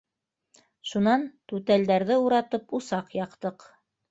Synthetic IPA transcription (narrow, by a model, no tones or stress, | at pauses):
ʃunɑnt̪ʉt̪æld̪æɾðɘuɾɑt̪ɤpusɑqjɑqt̪ɤq